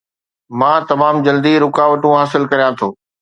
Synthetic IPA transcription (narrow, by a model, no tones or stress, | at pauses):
mãːt̪ɐmaːmd͡ʑɐld̪iɾʊkaːʋəʈũɦaːsɪlkɐɾijãt̪ʰoː